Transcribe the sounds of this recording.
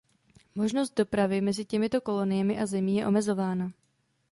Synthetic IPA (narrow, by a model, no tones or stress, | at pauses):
mo̞ʒno̞st̪̚do̞pɾavɪmɛzɪcɛmɪt̪o̞ko̞lo̞nɪjɛmɪʔazɛmiːjɛʔo̞mɛzo̞vaːna